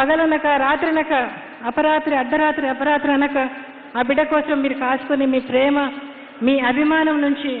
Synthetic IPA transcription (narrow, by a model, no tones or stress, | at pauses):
pɐɡɐlɐnɐkɐɾaːt̪ɾɐnɐkɐ | ɐpɐɾaːt̪ɾiɐɖ̪ːɐɾaːt̪ɾiɐpɐɾaːt̪ɾiɐnɐkɐ | aːbiɖɐkɔːsɐmːiːɾukaːsu̥kunimiːpɾɛːmɐ | miːɐbʱimaːnɐmnuɲt͡ʃi